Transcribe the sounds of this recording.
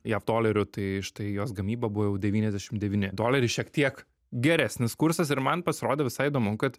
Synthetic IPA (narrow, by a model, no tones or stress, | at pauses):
jɛfd̪oːlʲɛɾʲʊt̪ɐɪɪʃt̪ɐɪjoːsɡɐmʲiːbɐbʊʋɐjɛʊdʲɛʋʲiːnʲɛzdʲæːʃʲɪmd̪ʲɛʋʲiːnʲɪd̪oːlʲɛɾʲɪʃʲiɛkt̪ʲiɛk | ɡʲɛɾʲæsʲnʲɪskʊɾsɐsɪɾmɐnpɐsʲɪɾoːd̪ʲɛːʋʲɪsɐɪɪd̪oːmʊkɐt̪